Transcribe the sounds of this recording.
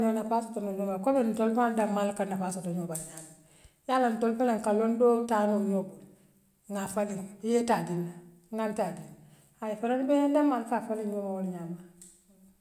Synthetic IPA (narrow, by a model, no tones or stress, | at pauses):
ɲonafasotonojomakobin̩tolfandamalkanafasotoɲobalɲama | jalantolfalaŋkalondoːtanojob | ŋafalijetadina | ŋantadin | ajifanonbeɲandamalfafalijomawoliɲama